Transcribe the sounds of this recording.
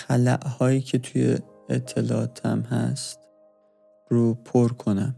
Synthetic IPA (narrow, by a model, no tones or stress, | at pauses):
xælæ̰ʔhɒːjiːcʰe̞t̪ʰuje | et̪ʰːe̞lɒːɒːt̪ʰæ̰mɦæ̰st̪ | ɾupʰoɾkʰonæm